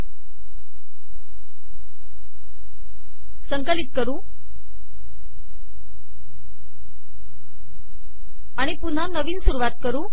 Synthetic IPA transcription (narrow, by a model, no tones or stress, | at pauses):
səŋkəlit̪̚kəɾũː | aɽ̃ipun̤anəʋiːnsuɾuʋat̪̚kəɾũː